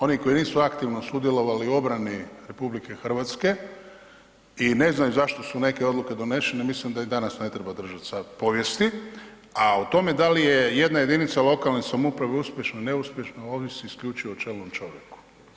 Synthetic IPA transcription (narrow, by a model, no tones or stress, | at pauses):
o̞niko̞iniːsuakt̪iʋno̞sud̪je̞lo̞ʋalio̞bɾaniɾe̞publike̞xr̩ʋat̪ske̞ | ine̞znajuzaʃt̪o̞sune̞ke̞o̞d̪luke̞d̪o̞ne̞ʃenemislimd̪aid̪anasne̞t̪ɾe̞bad̪r̩ʒat̪sad̪po̞ʋje̞st̪i | aut̪o̞me̞d̪alije̞je̞d̪naje̞d̪init̪salo̞kalnesamupɾaʋeuspʲje̞ʃnoine̞uspʲje̞ʃnoo̞ːʋiseiskʎʲut͡ʃiot͡ʃelnomt͡ʃo̞ʋjeku̥